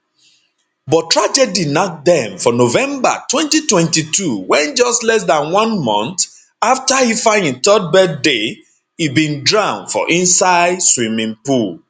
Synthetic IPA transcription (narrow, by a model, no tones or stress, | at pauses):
bɔtʰɹad͡ʒɛdinɔt̚dɛ̃mfɔnovɛ̃mba̰twɛ̃ntitwɛ̃ntituwɛ̃nd͡ʒɔstlɛs̬dãnwɔ̃nmɔ̃nt | aftahifãɪ̃nĩntɔd̚bɛdde | hibĩndɹãʊ̃nfɔ̰ʔĩnsaɪdswĩmĩŋpul